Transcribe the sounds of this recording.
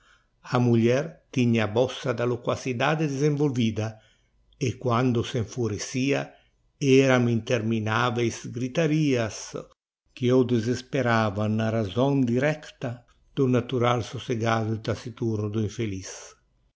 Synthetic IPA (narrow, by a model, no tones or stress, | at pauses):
amuʎɛrt̪iɲːabɔsːad̪alokwasid̪aːd̪ed̪ezeɱvolviːd̪a | ekwand̪oseɱfuɾesiːa | ɛɾamint̪erminaːvejsɡɾit̪aɾiːas | k̟iɔd̪ezespeɾaːvanːaɾazɔnd̪iɾɛkt̪a | d̪̥unat̪uɾalsoseɡaːd̪ut̪asit̪urnud̪uiɱfelis